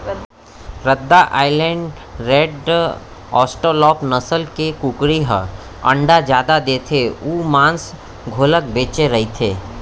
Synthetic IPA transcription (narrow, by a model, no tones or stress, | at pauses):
ɾəd̪ːaʔa̰ːɪlẽːɳɖ | ɾeːɖ | ɔːsʈəɾlɔːpnəsəlkekukɽiɦə | ə̰̃ɳɖad͡ʒjaːd̪ad̪eːt̪ʰeuːmãːns | ɡʱoːlək̚beːt͡ʃeɾɐɦit̪ʰeː